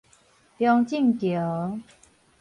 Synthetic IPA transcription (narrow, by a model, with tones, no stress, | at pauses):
pjɔ˥ŋt͡ɕi˥˨ŋkjo˨˩˦